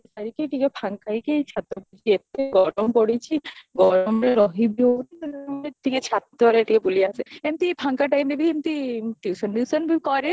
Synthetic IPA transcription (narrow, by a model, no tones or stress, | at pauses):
esaɾikeʈikepʰaŋkajket͡ʃʰat̪ɾɔbud͡ʒiet̪ːeɡɔɽompɔɽit͡ʃʰiɡɔɾɔmɾeɾɔɦibionit̪ɔneʈiket͡ʃʰat̪ːɔɾeʈikepuliaseemt̪ipʰaŋkaʈajmebiemt̪iʈiwsɔnʈisɔnbikɔɾe